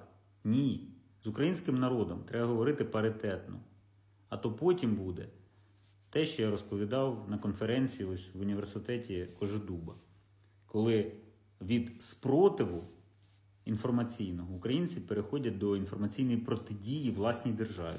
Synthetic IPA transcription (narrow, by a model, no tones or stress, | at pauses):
nʲi | zʊkɾɐjinʲsʲkɪmnɐɾɔd̪ɔmt̪ɾɛbɐɦɔʋɔɾɪt̪ɪpɐɾɪt̪ɛt̪nɔ | ɐt̪ɔpɔtʲimbud̪ɛ̰ | t̪ɛʃt͡ʃɔjaɾɔspɔʋʲid̪ɑwnɐkɔnfeɾɛnʲt͡sʲijiʋʊnʲiʋe̞rsɪt̪ɛtʲikɔʒɪd̪ubɐ̰ | kɔlˠɪ | ʋʲid̪spɾɔt̪ɪʋʊ | infɔrmɐt͡sʲijnɔɦɔukɾɐjinʲt͡sʲipeɾexɔdʲɐt̚ʲd̪ɔinfɔrmɐt͡sʲijnɔjipɾɔt̪ɪdʲijiʋlˠɑsʲnʲijd̪erʒɑ̰ʋʲḭ